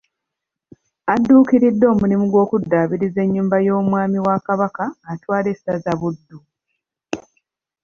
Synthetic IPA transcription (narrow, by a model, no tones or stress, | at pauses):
adːuːkiɾidːo̞ːmulimuɡwo̞ːkudːaβiɾize̞ɲːuːmbajo̞ːmwaːmiwakaβakaːtwaːle̞sazaβudːu